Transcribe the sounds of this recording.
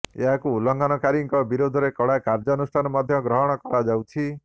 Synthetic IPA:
ḛɦakuːlɔŋɡanɔkaɾiŋkɔbiɾod̪ʱɔɾekɔɽakaɾd͡ʒɔːnusʈʰanɔmɔd̪ʱjɔɡɾɔɦɔɽ̃ɔkɔɾad͡ʒawt͡ʃʰi

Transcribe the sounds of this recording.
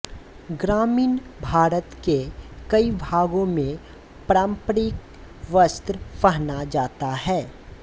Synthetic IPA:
ɡɾaːmiːnbʱaːɾət̪kekɐibʱaːɡõmẽ | pɾaːmpɾɪk | ʋəst̪ɾpɐɦnad͡ʒaːt̪aɦɛː

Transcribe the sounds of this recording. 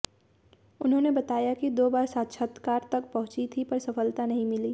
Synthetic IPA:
ʊnɦõːnebɐt̪aːjakid̪oːbaːɾsaːt̪ʃʰət̪kaːɾt̪ɐk̚pɐɦʊ̃t͡ʃit̪ʰipɐɾsɐfəlt̪anɐɦĩmɪliː

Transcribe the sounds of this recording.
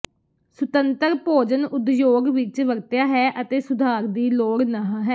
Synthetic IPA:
sʊt̪ənt̪əɾpoːd͡ʒənʊd̪joːɡʋɪt͡ʃʋəɡt̪jaːɦɛːʔət̪eːsʊd̪ʱaːɾd̪iːloːɡnaɦãɦɛː

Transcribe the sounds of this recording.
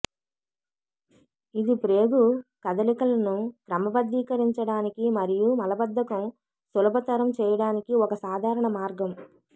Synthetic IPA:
id̪ipɾeːɡukɐd̪ɐlikɐlɐnukɾɐmɐbɐd̪ːiːkɐɾiɲt͡ʃɐɽaːnikimɐɾijumɐlɐbɐd̪ʱːɐkɐm | sulɐbɐt̪ɐɾɐmt͡ʃɛːjɐɽaːnikiɔkɐsaːd̪ʱaːɾɐɳɐmaːɾɡɐm

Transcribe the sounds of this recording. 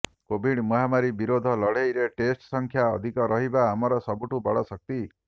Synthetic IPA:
kobʱiɽmɔɦamaɾibiɾod̪ʱɔlɔɽejɾeʈesʈsɔŋkʰjaɔ̰d̪ʱikɔɾɔɦibaːmɔɾɔsɔbuʈubɔɭɔsɔk̚t̪i

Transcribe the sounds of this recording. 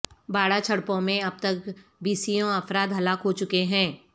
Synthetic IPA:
baːɽat͡ʃʰɐɽpõmẽɐb̚t̪ɐkbiːsijõɐfɾaːd̪ɦɐlaːkɦot͡ʃʊkeɦɛ̃ː

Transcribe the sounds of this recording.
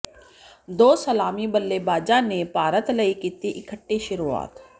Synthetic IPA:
d̪oːsəlaːmibəlːebaːd͡ʒanepaːɾət̪lɐikiːt̪eʔɪkʰəʈːeʃʊɾua̰ːt̪

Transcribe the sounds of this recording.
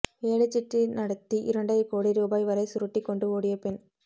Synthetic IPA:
eːɭɯt͡ʃːɪʈrinɐɽɐt̪ːiʔɪ̰ɾɐɳɖɐjkoːɽiɾuːbaːjʋɐɾɐɪsʊɾɐʈːikːɔɳɖɯoːɽɪjɐpɛn

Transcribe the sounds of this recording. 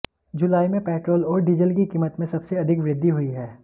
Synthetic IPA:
d͡ʒʊlaːimẽpɛːʈɾoːlɔːɾɖɪd͡ʒəlkikiːmət̪mẽsɐbseɐd̪ʱɪkʋɾɪd̪ʱːiɦʊiɦɛː

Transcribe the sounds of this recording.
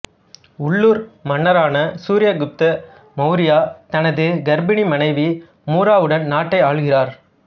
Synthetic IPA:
ʊɭːuːɾmɐɳːɐɾaːnɐsuːɾɪjɐɡɯp̚t̪ɐ | mɐʊɾɪjaːt̪ɐnɐðɯɡɐɾbɪɳimɐnɐɪʋi | muːɾaːʋɯɽɐnnaːʈːɐɪaːɭɣɪraːɾ

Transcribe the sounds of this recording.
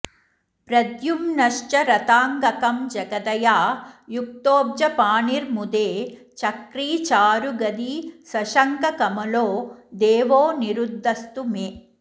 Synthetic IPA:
pɾɐd̪jumnɐʂt͡ʃɐɾɐt̪aːŋɡɐkɐmd͡ʒɐɡɐd̪ɐjaːjuk̚t̪oːb̚d͡ʒɐpaːniɾmud̪eː | t͡ʃɐkɾiːt͡ʃaːɾuɡɐd̪isɐʃɐŋkɐkɐmɐloːd̪eːʋoːniɾud̪ʱːɐst̪umeː

